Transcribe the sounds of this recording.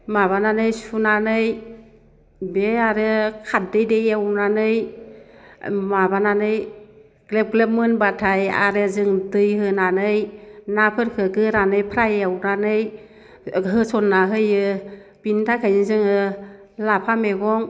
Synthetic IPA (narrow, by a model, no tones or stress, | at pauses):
maβananɯjsunanɯj | beaɾɯkʰat̚dejdejawnanɯj | mabananɯj | ɡ̥lep̚ɡlep̚mɯnbatʰaja̰ɾɯzɯŋdɯjɦɯnanɯjnapʰɯɾkʰɯɡɯɾanɯjpʰɾajawɾanɯj | ɦɯsɔnːaɦɯjɯ | b̥intʰakʰajɯzɯŋɯ | lapʰameɡɔŋ